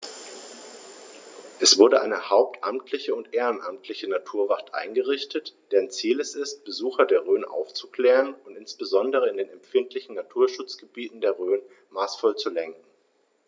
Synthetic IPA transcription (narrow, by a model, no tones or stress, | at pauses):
ʔɛsv̥ʊɐɾəʔa̰ɪnəhaʊp̚tʔa̰mtʰlɪçəʊntʔeːʁənʔamtʰlɪçənatʰuːɐvaχtʔa̰ɪnɡəʁɪçtətd̥ɛnt͡siːlɛsɪst̚b̥əzuːxɐdeːɐʁøːnʔa̰ʊft͡su̥kl̥ɛːʁənʊntɪnsb̥əzɔndəʁ̞əɪndeːnɛmfɪntʰlɪçn̩natʰuːɐʃʊt͡sɡ̥əbiːtn̩deːɐʁøːn | maːsfɔlt͡sulɛŋkŋ̩